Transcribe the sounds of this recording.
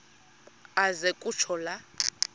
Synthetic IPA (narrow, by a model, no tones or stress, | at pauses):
azɛkʼut͡ʃʰɔla